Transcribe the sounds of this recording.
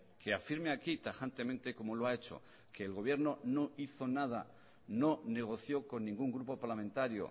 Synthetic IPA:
ke̞afiɾmeakit̪axant̪e̞mẽnt̪e̞ko̞moloae̞t͡ʃo̞̰ | ke̞ːlɣo̞β̞je̞ɾno̞no̞iθo̞nað̞a | no̞ne̞ɣ̞o̞θjo̞ko̞nːĩŋɡuŋɡɾupo̞paɾlamẽ̞nt̪aɾjo̰

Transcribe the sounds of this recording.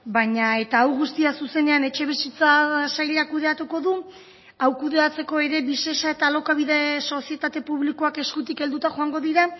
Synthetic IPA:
baɲae̞t̪aːwɣust̪iasuse̞ne̞ane̞t͡ʃe̞β̞isit͡sasajʎakuð̞e̞at̪uko̞ðu | awkuðe̞at͡se̞ko̞e̞ɾe̞βise̞sae̞t̪alo̞kaβiðe̞so̞sie̞t̪at̪e̞puβliko̞ake̞skut̪ike̞ld̪ut̪axo̞aŋɡo̞ðiɾa

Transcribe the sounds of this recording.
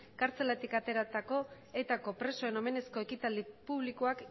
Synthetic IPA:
kaɾt͡se̞lat̪ikat̪e̞ɾat̪ako̞ | e̞t̪ako̞pɾe̞so̞e̞no̞me̞ne̞sko̞e̞kit̪ald̪ipuβlikoak

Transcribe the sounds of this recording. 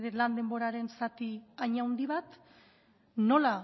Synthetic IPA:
ðeland̪e̞mbo̞ɾaɾe̞nsat̪iaɲawnd̪iβat̪ | no̞la

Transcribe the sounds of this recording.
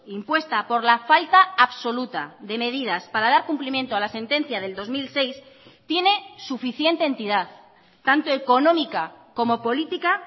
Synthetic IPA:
impwe̞st̪apo̞ɾlafalt̪aːβso̞lut̪aðe̞me̞ð̞iðaspaɾaðaɾkumplimje̞nt̪oalase̞nt̪e̞n̟θjað̞e̞ld̪o̞zmilse̞js | t̪je̞ne̞sufiθje̞nt̪eːnt̪iðaθ | t̪ant̪o̞e̞ko̞nõ̞mikako̞mo̞po̞lit̪ika

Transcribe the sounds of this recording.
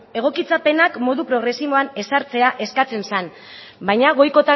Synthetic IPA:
e̞ɣ̞o̞kit͡sape̞nakmo̞ðupɾo̞ɣ̞ɾe̞simo̞ane̞saɾt͡se̞aʔe̞skat͡se̞nsan | bajɲaɣ̞o̞jko̞t̪a

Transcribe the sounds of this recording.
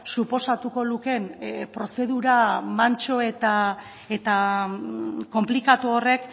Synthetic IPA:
supo̞sat̪uko̞luke̞npɾo̞se̞ðuɾamant͡ʃo̞e̞t̪a | e̞t̪a | ko̞mplikat̪uore̞k

